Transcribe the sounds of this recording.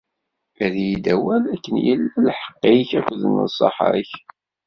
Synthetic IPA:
æðjid̪æwælækːənjə̰lːælħə̥qːiçækʷðənə̰sˤɑ̰ħə̰ɾç

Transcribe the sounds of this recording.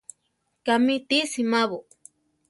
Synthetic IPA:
kamit̪isimaβo

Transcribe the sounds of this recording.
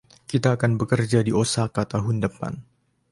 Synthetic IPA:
kit̪aːkanbəkərd͡ʒadiosakat̪aɦʊndəpa̰n

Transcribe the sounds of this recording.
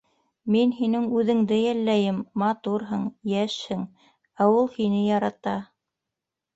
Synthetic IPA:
minɦinɘŋʉðɘ̆ŋd̪ɘjælːæjɘmːɑt̪uɾɦɤɴjæʃhɘŋ | æwulˠhinɘjɑɾɑt̪ɑ

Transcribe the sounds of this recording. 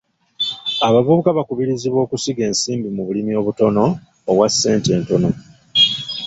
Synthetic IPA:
aβavuβukaβakuβiɾiziβwo̞ːkusiɡe̞ːnsiːmbimuβulimio̞ːβuto̞no̞ː | βwasːe̞ːnte̞ːnto̞no̞

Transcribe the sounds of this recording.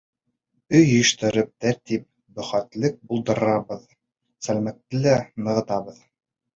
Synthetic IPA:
ɵjɵ̆ʃt̪ɘ̆ɾɘp̚t̪æɾt̪ip̚ | bɵ̆χæt̪lɘk̚bulˠd̪ɤ̆ɾɾɑβɤð | sælmæk̚t̪ːɘlænɤ̆ʁɤ̆t̪ɑβɤð

